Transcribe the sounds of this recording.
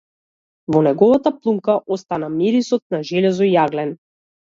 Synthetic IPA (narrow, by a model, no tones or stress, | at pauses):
vɔnɛɡɔvat̪aplˠumkaʔɔst̪anamiɾisɔt̪̚naʒɛlɛzɔijaɡlɛn